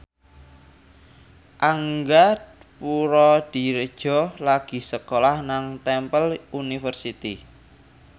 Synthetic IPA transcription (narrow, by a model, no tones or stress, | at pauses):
ʔaŋɡat̪̚puɾɔd̪̥i̤ɾəd̥ʒ̥ɔ̤laɡ̥i̤səkolahnaŋt̪ɛmpəlunifərsit̪i